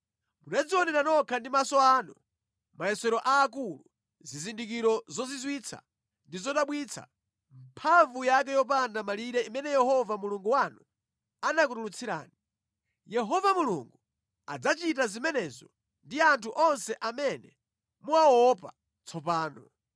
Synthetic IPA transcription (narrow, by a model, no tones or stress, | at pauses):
munad͡ziwɔnɛɾanɔkʰandimasɔaːnu | maɛsɛɾɔʔaːk̬ulu | zizindik̬iɾɔzɔzizwit͡sʰa̰ | ndizɔɗaɓwit͡sʰa̰ | m̩pʰaɱvujak̬ɛjɔp̬andamaliɾɛimɛnɛjɛhɔvamuluŋɡuwanu | anak̬uɾulut͡sʰiɾa̰ːni | jɛɦɔvamulṵŋɡu | a̰d͡zat͡ʃit̬azimɛnɛzɔ̰ | ndiantʰuʔɔnsɛʔamɛnɛ | muawɔpa | t͡sʰɔpaːnɔ̰